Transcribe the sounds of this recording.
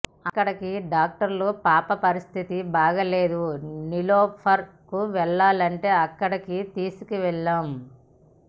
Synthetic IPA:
ɐkːɐɽɐkiɖaːk̚ʈɐɾloːpaːpɐpɐɾist̪ʰit̪ibaːɡɐle̞ːd̪uniloːpʰɐɾ | kːuʋɛɭːaːlɐɳʈe̞ːɐkːɐɽɐkit̪iːsukiʋɛɭːam

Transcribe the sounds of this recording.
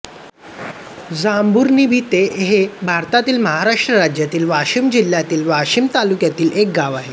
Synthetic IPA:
d͡zambuɾniːbʱiːt̪eɦebʱaɾt̪at̪iːlməɦaɾaʂʈɾəɾad͡ʑjat̪iːlʋaɕimd͡ʑil̤ːjat̪iːlʋaɕimt̪alukjat̪iːlʔek̚ɡaʋaɦe

